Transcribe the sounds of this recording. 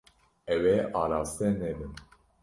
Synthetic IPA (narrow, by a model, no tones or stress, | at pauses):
ɛwɛʔɑːɾɑːst̪ɛnɛbɨn